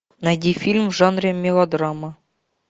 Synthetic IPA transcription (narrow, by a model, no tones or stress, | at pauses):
næd̪ʲifʲilʲmʐɑnrʲemʲːelod̪ɾɑmɑ